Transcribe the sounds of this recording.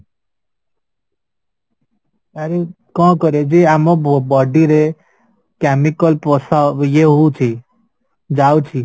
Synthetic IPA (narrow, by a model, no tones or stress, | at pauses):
aɾe | kɔ̃ːkɔɾed͡ʒiamobobɔːɖiɾe | kɛmikɔlpɾɔsajeɦut͡ʃʰi | d͡ʒawt͡ʃʰi